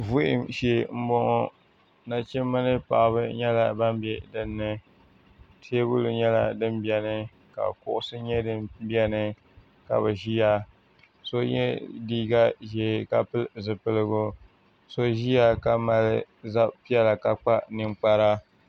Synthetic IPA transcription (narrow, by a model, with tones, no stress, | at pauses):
vʊ˦ʔɪ̰˨mʃe˦m̩˦bɔ˦ŋo˦ | na˨t͡ʃɛ˦mːɨ˦nɨ˦pa̰˨ʔβɨ˦ɲɛ˦la˨ba˦mbɛ˦dɨ˦nːɨ˦ | tʰe˦bʊ˦lɨ˨ɲɛ˦la˨dɨ˦mbɛ˦nɨ˦ | ka̰˨kʊ˦ʔʊ˦sɨ˦ɲɛ˦dɨ˦bi˦ɛ˦nɨ˦ | ka̰˨bɨ˨ʒi˦ja˦ | so˦ɲɛ̰˦diː˦ɡa˦ʒe˨ka˨pɨ˦lzɨ˨pɨ˦lɨ˦ɡʊ˦ | so˦ʒi˦ja˦ka˨ma˨lɨ˦za˦pi˦ɛ˦la˨ka˨k͡pa˦nɨ˨ŋ͡mk͡pa˦ɾa˦